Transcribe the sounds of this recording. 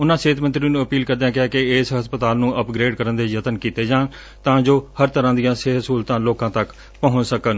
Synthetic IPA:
ʊnãːseːt̪mə̃nt̪ɾiːnũːəpiːlkəɾd̪ãːkɪaːkɪːsɦəspət̪aːlnũːʔəpɡɾeːɖkəɾənd̪eːjət̪ənkiːt̪eːd͡ʒãːn | t̪ãːd͡ʒoːhəɾt̪əɾãːd̪ɪjãːseːɦsuːlt̪ãːloːkãːt̪ək | pəɦʊ̃səkən

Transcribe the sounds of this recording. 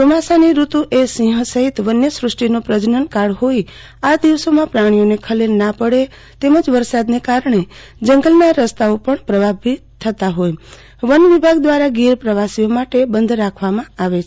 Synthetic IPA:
pəmasaniɾut̪ũʔesĩɦə̃səɦit̪ʋənjəsɾʊsʈinopɾəd͡ʒnənkaɽɦoi | ad̪iʋsomãpɾaɽ̃ijonekʰəlelnapəɽe | t̪eməd͡ʒʋəɾsad̪nekaɾɳe | d͡ʒəŋɡəlnaɾəst̪aopəɳpɾəbʱabʱit̪ʰːət̪aɦoj | ʋənʋibʱaɡd̪ʋaɾaɡiɾpɾəʋasijomaʈebənd̪ʱɾakʰʋamãaʋet͡ʃʰ

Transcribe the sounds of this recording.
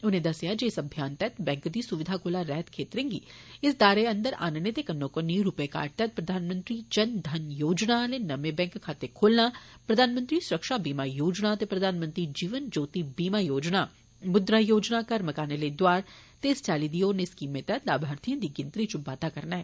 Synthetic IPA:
ʊnẽːd̪ɐsɪjaːd͡ʒeɪsɐbʱjaːnt̪ɛːt̪bɛ̃ːŋkd̪iːsʊʋɪd̪ʱaːkoːlaːɾɛːt̪kʰeːt̪ɾẽːŋɡḭːɪsd̪aːɾeə̃nd̪əɾa̰ːnnet̪eːkənːõːkonːiːɾupeka̰ːɾʈ̚t̪ɛːt̪̚pɾəd̪ʱaːnmə̃nt̪ɾiːd͡ʒənd̪ʱɐnjoːd͡ʒnaːleːnəmẽbɛ̃ːŋkʰːaːt̪ekʰoːlnaːpɾəd̪ʱaːnmə̃nt̪ɾiːsʊɾəkʃaːbiːmaːjoːd͡ʒnaːət̪epɾəd̪ʱaːnmə̃nt̪ɾid͡ʒiːʋənd͡ʒoːt̪ibiːmaːjoːd͡ʒnaː | mʊd̪ɾaːjoːd͡ʒnaːkəɾməkaːneleːd̪ʊwaːɾ | t̪eːst͡ʃaːliːd̪ioːɾneskiːmet̪ɛːt̪laːbʱaːɾt̪ijãːd̪iːɡɪ̃nt̪ɾiːt͡ʃʊbaːt̪aːkɐɾnaːɦɛː

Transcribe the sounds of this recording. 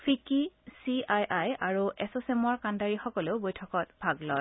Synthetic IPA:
pʰikisiajʔajaɹuɛsosemɔɹkandaɹixɔkɔleʊbojtʰɔkɔt̚b̥ʱaɡlɔj

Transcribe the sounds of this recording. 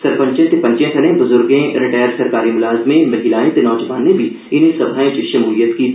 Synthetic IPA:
sɐɾpə̃ɲt͡ʃẽt̪epɐ̃ɲt͡ʃẽk̪ʰɐnẽbʊzʊɾɡẽɾɪʈaːəɾsɐɾkaːɾimʊlaːzmẽmɐɦilaːẽt̪enɔːd͡ʒɐʋaːnːebʱi | ɪnisɐbʱaːẽt͡ʃʃɐmuːlijət̪ki

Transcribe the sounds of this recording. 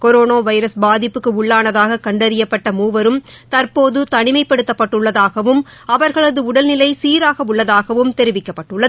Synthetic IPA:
kɔɾoːnoːʋɐɪɾɐsbaːðɪpːɯkːɯʊɭːaːnɐðaːɣɐkɐɳɖɐɾɪjɐpːɐʈːɐmuːʋɐɾɯm | t̪ɐɾpoːðɯt̪ɐɳɪmɐɪpːɐɽɯt̪ːɐpːɐʈːɯɭːɐðaːɣɐʋɯm | ɐʋɐɾɣɐɭɐðɯʊɽɐlnɪlɐɪsiːɾaːɣɐʊɭːɐðaːɣɐʋɯmt̪ɛɾɪʋɪkːɐpːɐʈːɯɭːɐðɯ

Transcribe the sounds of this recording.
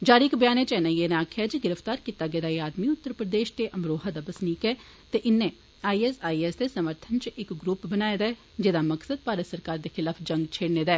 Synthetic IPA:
d͡ʒaːɾikbəjaːneːt͡ʃɛːnãːjeːnaːkʰɛd͡ʒiɡɪɾəft̪aːɾkiːt̪aːɡɛːd̪aːiaːd̪miʊt̪ːəɾpɾəd̪eːʃt̪eʔəmɾoːɦad̪abəsniːkɛː | t̪eʔɪnːẽː | aːiːɛsaːiːɛsd̪esəməɾt̪ʰənt͡ʃɪkɡɾuːpbənaːjd̪aː | d͡ʒeːd̪aːməksəd̪̚paːɾəsəɾkaːɾd̪eːxɪlaːpʰd͡ʒə̃ŋɡt͡ʃʰeːɽneːd̪ɛː

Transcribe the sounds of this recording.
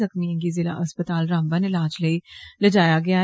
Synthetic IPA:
ɐxmijə̃k̬izɪla̰ʔɐspət̪aːlɾãːmbə̃nɪlaːd͡ʒleilɐd͡ʒaːjaɡɐja

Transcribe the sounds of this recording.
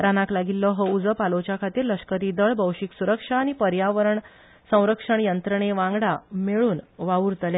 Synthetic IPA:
ɾanaklaɡilːəɦəud͡zəpalot͡ɕakʰat̪iːɾləʂkəɾiːd̪əɭbəwʂiksuɾəkʂaːɽ̃ipəɾjaʋəɾəɳ | sə̃w̃ɾəkʂəɳjənt̪ɾəɳ̃eʋãŋɡɽameɭuːnʋauːɾt̪lje

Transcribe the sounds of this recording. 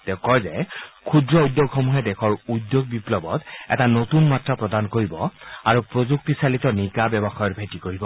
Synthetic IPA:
tɛʊ̃kɔjzɛkʰudɹɔudːjoɡxɔmuɦɛdɛxʰɔɹudjoɡ̚biplɔbɔtɛ̰tanotunmatɹapɹɔdankoɹibɔaɹupɹozuk̚tisalitɔnikabɛbɔxɔjɔtbʱajtikoɹibɔ

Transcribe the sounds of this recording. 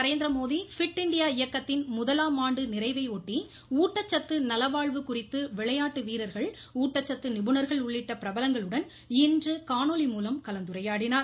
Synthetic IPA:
ɐɾeːnd̪ɪɾɐmoːðifɪʈːɪɳɖɪjaːɪjɐkːɐt̪ːɪnmʊðɐlaːmaːɳɖɯnɪɾɐɪʋɐɪoːʈːi | uːʈːɐt͡ʃːɐt̪ːɯnɐlɐʋaːɭʋɯkʊrɪt̪ːɯʋɪɭɐjaːʈːɯʋiːɾɐɾɣɐɭ | uːʈːɐt͡ʃːɐt̪ːɯnɪbɯnɐɾɣɐɭʊɭːɪʈːɐpɪɾɐbɐlɐŋɡɐɭɯɽɐn | ɪndrɯkaːnoːlimuːlɐmkɐlɐnd̪ɯɾɐjaːɽɪnaːɾ

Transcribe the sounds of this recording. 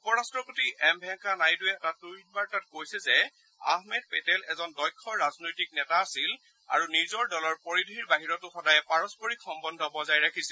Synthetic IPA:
upɔɹastɹɔpotiʔɛmbʱɛŋkanajdʊɛɛtatuinbaɹtat̚kojsɛzɛ | a̰hmɛd̚pɛtɛlɛzɔndɔjkʰːɔɹaznojtik̚nɛtaːsil | a̰ɹunizɔɹdɔlɔɹpɔɹidɦiɹbaɦiɹɔtʊxɔdajɛpaɹɔspɔɹikxɔmbɔndʱɔbɔzajɹakʰisɛ

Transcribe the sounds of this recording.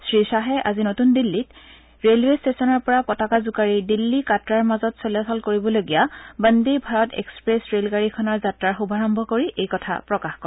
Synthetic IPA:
sɹisaɦɛʔazinotundilːit | ɹelwestesɔnɔɹpɔɹapɔtakazukaɹidilːikatɹaɹmazɔtsoliasalkoɹibɔloɡijabəndejbʱaɹɔtḛkspɹesɹelɡaɹikʰɔnɔɹzatɹaɹxubʱaɹɔmbʱɔkoɹiʔejkɔtʰa̰pɹɔkaxkɔɹ

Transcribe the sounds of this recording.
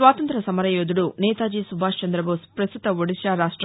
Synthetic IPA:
ʋaːt̪ɐnt̪ɾɐsɐmɐɾɐjoːd̪uɽunɛːt̪aːd͡ʒiːsubʱaːʂt͡ʃɐnd̪ɾɐboːspɾɐst̪ut̪ɐʋoɽiʃaːɾaːʂʈɾ

